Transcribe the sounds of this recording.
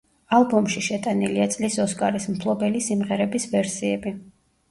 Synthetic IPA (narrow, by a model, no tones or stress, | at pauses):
alˠbɔmʃiʃɛt̪ʼaniliat̪sʼlisɔskʼaɾismpʰlˠɔbɛlisimʁɛɾɛbisvɛɾsiɛbi